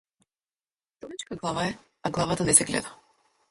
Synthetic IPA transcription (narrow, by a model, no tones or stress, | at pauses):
t̪ɔɾit͡ʃkaɡlˠavaɛ | aɡlˠavat̪anɛsɛɡlɛ̰d̪a